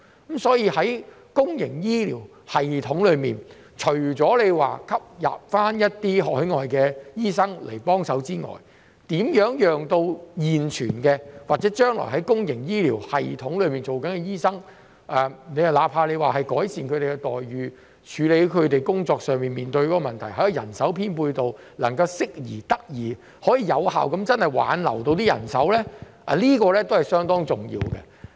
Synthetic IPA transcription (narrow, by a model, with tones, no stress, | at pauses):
sɔː˨˥jiː˧hɐ˨˥j | kʊ˥ŋjɪ˨˩ŋjiː˥lḭː˨˩w | hɐ˨jt̪ʰʊ˨˥ŋlɵ˨˧ɥmiː˨n | t͡ʃʰɵ˨˩ɥt͡sɔː˨˥le˨˧jwa̰ː˨kʰɐ˥p̚ja̰ː˨p̚faː˥njɐ˥t̚t̪iː˥ɦɔː˨k̚hɵ˨˥ŋɔː˨jkɛː˧jiː˥sɐ˥ŋlḛ˨˩jpɔː˥ŋsɐ˨˥wt͡siː˥ŋɔ̰ː˨˩j | t̪iː˨˥mjœː˨˥ŋjœː˨ŋt̪o˧wjiː˨nt͡ʃʰyː˨˩nkɛː˧waː˨t̚t͡sɛː˨˥t͡ʃœː˥ŋlɔ̰ː˨˩jɦɐ˨˥jkʊ˥ŋjɪ˨˩ŋjiː˥liː˨˩whɐ˨jt̪ʰʊ˨˥ŋlɵ˨˧ɥmiː˨˩nt͡so˨wkɐ˨˥nkɛ˧jiː˥sɐ˥ŋ | ʔɛː˨ne˨˧jɐ˨wlaː˨˥pʰaː˧le˨˧jwaː˨ɦɐ˨jkɔː˨˥jsiː˨nkʰɾe˨˩kɛ˧t̪ɔː˨˩jɥyː˨˧ | t͡ʃʰyː˨˧le˨˧˥kʰɵ˨˧ɥt̪e˨jkʊ˥ŋt͡sɔː˧k̚sœː˨ŋmiː˨nmiː˨nt̪ɵ˧ɥkɔː˨˦˥kɔ˧mɐ˨nt̪ʰɐ˨˩jɦɐ˨˥jɐ˨˩jɐ̰˨˩nsɐ˨˥wpʰiː˥npuː˧jt̪o˨w | lɐ˨˩ŋkɐ˧wsɪ˥k̚jḭː˨˩t̪ɐ˥k̚jiː˨˩ | hɔː˨˥jiː˨˩jɐ˨˧wha̰ː˨wkɐ˨˥mt͡sɐ˥nhɐ˨˩jwa̰ː˨˥nlɐ̰˨˩wt̪o˧wt̪iː˥jɐ̰˨˩nsɐ˨˥wlɛː˥ | ʔa̰ː˨˩liː˥kɔː˧lɛː˥t̪o˥whɐ˨jsœː˥ŋt̪ɔː˥ŋt͡sʊ˨˩ŋjḭː˧wkɛ̰˧